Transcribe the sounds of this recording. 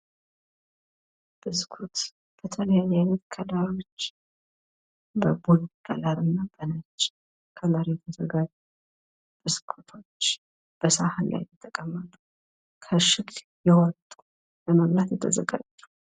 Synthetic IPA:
b̥ɨzkʰut̪ | b̥ət̪ʰələjanət̪kʰəd̪aɾo̞t͡ʃː | bəbolɡʰəlaɾɨnːabənat͡ʃːɪ | kʰəlaɾjɛt̪ʰəzəɡad͡ʒ | b̥ɨzkʰut̪ʰo̞t͡ʃː | b̥əsahanla̰jjɛt̪ʰːəkʼəmːət̪ʼu | kʰəʃɪk | jɛwɔt̪ʼu | bəməɡnat̪jɛt̪ʰəzə̰ɡa̰d͡ʒːu̥

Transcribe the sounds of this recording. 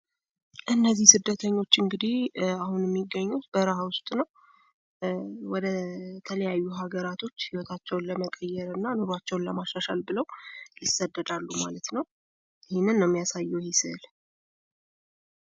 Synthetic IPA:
ʔɨnːəzːihsɨd̪ːət̪ʰəɲːo̞t͡ʃːɨŋɡɨd̪ihahunjɛmːiɡːəɲːut̪b̥əɾahwʊst̪ʼnəw | wɔd̪ət̪ʰələjajːuɦaɡəɾat̪ʰo̞t͡ʃːhiwot̪ʰat͡ʃːɛwnləməkʼəjːɛɾɨnːanuɾwat͡ʃːɛwnləmaʃaʃalbɨləwjɪsːəd̪ːəd̪alːumalət̪nəw | ɪhɪnːɨnːəwmːjasajːɛwhisɨl

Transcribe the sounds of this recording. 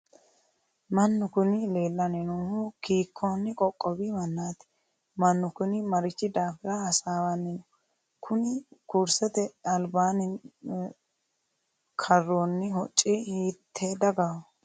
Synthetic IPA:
mɐnːʊkʊnɪle̞ːlːɐnɪnuːhʊkiːkʰːoːnːɪkʼɔkʼːɔbimɐnːaːt̪ɪ̥ | mɐnːʊkʊnɪmɐɾɪt͡ʃːɪd̪aːfɪɾɐɐsaːwanːɪnʊ | kʰʊnɪkuːɾsɛt̪ɛɐlbaːnɪ | kʰɐrːoːnːɪhɔt͡ʃʼːɪhiːt̪ʰːed̪ɐɡɐw

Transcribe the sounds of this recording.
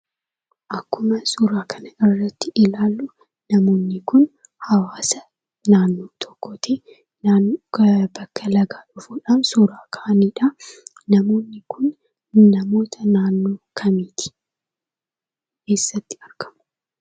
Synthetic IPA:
ʔɐkːʊmɐsuɾaːkʰɐnɐɪrːɐt̪ːɪʔɪlaːlːʊ | nɐmo̞ːnːɪkʊn | hɐwaːsɐ | naːnːo̞ːt̪ʰɔ̥kːoːt̪e | naːnbɐkːɐlɐɡaːᶑʊfuːᶑaːmsuːɾaːkʰaʔɐniːᶑɐ | nɐmo̞ːnːɪkʰʊnː | ɐmo̞ːt̪ʰɐnaːnːo̞ːkʰɐmiːt̪ɪ̥ | ke̞ːsːɐt̪ːɪ̥ɐɾɡɐ̥mʊ̥

